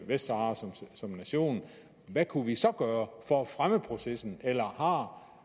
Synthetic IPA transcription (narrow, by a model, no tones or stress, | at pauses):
ʋesd̥ɑːssɒ̽mnæɕo̝̰ːn | ʋækʰuʋisɒ̽ɡ̥ɶːɐfɒæfʁaməpʰʁo̝sesn̩elɐhɑ̈